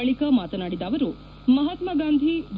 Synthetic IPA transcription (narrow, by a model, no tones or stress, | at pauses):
ɐɭikɐmaːt̪ɐnaːɽid̪aːʋɐɾu | mɐɦɐt̪mɐɡaːnd̪ʱibʱ